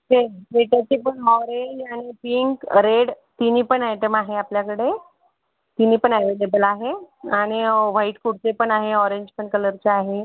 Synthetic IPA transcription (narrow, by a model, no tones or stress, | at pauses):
ɦeʋeʈat͡ɕipəɳmɔɾelaɽ̃ipiŋkɾeɽ | t̪iniːpəɳaʈəmaɦeapljakəɽe | t̪iniːpəɳɛʋelebəlaɦeaɽ̃iʋaiʈkuɽt͡sepəɳaɦeɔɾeɲd͡ʑpəɳkələɾt͡ɕeaɦe